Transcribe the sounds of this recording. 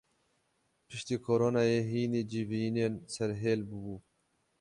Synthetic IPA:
pʰɨʃt̪iːkʰoːɾoːnaːjeːɦiːniːd͡ʒiviːneːnsɛɾɦeːlbɨbuː

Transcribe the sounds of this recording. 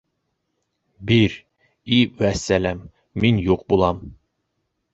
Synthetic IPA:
biɾ | iwæsːælæmː | injuq̚bulˠɑm

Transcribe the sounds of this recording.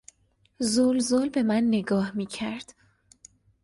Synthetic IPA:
zolzolbe̞mænːe̞ɡɒːhmiːcʰæɾd̪̥

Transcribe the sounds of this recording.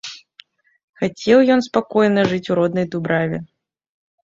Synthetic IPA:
xat͡sʲɛwjɔnspakɔjnɐʐɨt͡sʲuɾɔd̪nɐjd̪ubɾavʲɛ

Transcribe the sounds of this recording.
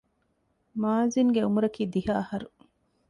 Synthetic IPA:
maːziŋɡeumuɾɐkiːd̪ihaːɐhɐɾu

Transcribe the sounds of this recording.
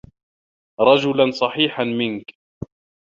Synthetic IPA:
ɾˤɑd͡ʒʊlansˤɑħiːħanmɪnk

